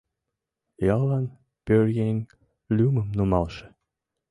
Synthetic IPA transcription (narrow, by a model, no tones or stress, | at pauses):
jɑlˠɑn | pørjenʲ | lʲumə̆mnumɑlˠʃə̥̆